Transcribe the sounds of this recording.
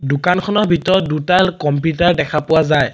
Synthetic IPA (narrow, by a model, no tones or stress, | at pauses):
dʊkankʰɔnɔɹbʱitɔdutalkɔmpjutaɹdɛkʰapʊwazaj